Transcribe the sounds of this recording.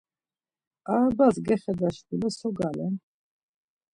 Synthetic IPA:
abazɡɛχɛd̪aʃt̪ulɛsɔɡalɛn

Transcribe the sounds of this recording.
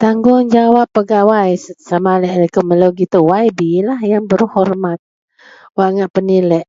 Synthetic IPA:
t̪aŋɡʊŋd͡ʒawapːəɡawajssamalɛʔkəməloɡit̪uwajbilahjaŋbəɾuhɔrmat̪̚ | waʔŋaʔpənilɛʔ

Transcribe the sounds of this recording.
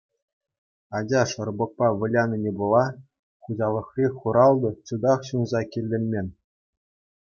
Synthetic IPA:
ɑd͡ʑɑʂɤ̆rbɤ̆k̚pɑʋʲɤ̆lʲɑnʲɤ̆nʲebulˠɑ | χuʑɑlˠɤ̆χrʲiχuɾɑlˠd̪ɤ̆t͡ɕud̪ɑχɕunzɑkʲilʲːɘ̆lʲmʲenʲ

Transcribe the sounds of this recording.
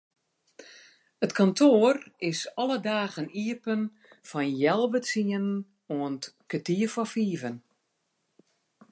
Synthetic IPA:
ətkʰɔntʰoːərɪsɔlədaːɣəniəpən | fɔnjɛlˠʋəsiənn | oəntkətiəfɔfiːvən

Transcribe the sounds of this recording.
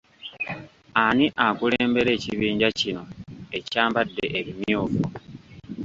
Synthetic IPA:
aniʔakuleːmbe̞ɾe̞ːciβiːɲɟacino̞e̞caːmbadːe̞ʔeβimjoːfṵ

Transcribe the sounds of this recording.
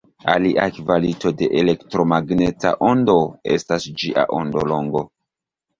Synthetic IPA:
aliʔakvalito̞de̞ʔele̞ktɾo̞maɡneta̰ʔondo̞e̞̰stasd͡ʒiʔa̰ʔo̞ndo̞lo̞ŋɡo̞

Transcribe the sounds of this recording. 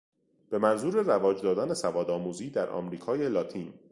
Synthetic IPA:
b̥e̞mænzuːɾe̞rævɒːd͡ʒd̪ɒːd̪æne̞sævɒːd̪ɒːmuːziːd̪æɾʔɒ̰mɾiːkʰɒːjelɒːt̪ʰiːn

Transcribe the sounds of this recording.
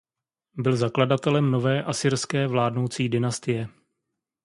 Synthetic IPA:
bɪlzakladat̪ɛlɛmno̞vɛːʔasiːɾskɛːvlaːdno̞wt͡siːdɪnast̪ɪjɛ

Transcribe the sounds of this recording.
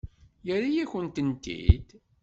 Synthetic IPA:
jəɾajæçənt̪ənt̪ḭd̪

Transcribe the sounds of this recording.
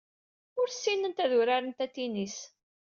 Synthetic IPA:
ʊɾsːinənt̪æðʊɾaɾənt̪æt̪ːinis

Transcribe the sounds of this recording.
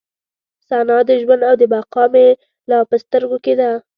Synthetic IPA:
sanɑd̪əʒwand̪awd̪əbaqɑme | lɑpəst̪əɾɡoked̪a

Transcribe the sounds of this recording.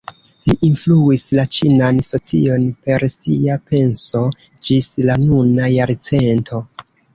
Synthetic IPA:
liʔinfluislat͡ʃinanso̞t͡sḭo̞npe̞ɾsiape̞nso̞ | d͡ʒislanunajaɾt͡se̞ntʰo̞

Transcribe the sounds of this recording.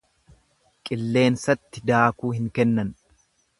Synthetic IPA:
kʼɪlːe̞ːnsɐt̪ːɪd̪aːkuːhɪŋkɛnːɐn

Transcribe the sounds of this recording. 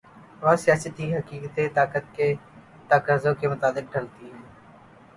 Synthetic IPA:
ʋaːsɪjaːsət̪iɦəkiːkt̪et̪aːkət̪̚keː | t̪aːkɾaːzõkemʊt̪aːlɪk̚ɖʱəlt̪iɦɛː

